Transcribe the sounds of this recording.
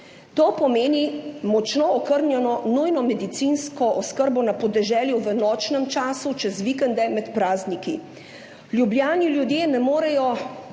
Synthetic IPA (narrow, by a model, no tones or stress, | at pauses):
t̪oːpɔmeːnimɔt͡ʃnoɔkəɾnʲjɛnɔnujnɔmɛd̪it̪sinskɔʔɔskəɾbɔnapɔd̪ɛʒɛːljuʋənɔːt͡ʃnɛmt͡ʃaːsut͡ʃɛzʋikɛnd̪ɛmɛt̪pɾaːzniki | ljubljaːnilʲjud̪jeːnɛmoːɾɛjɔ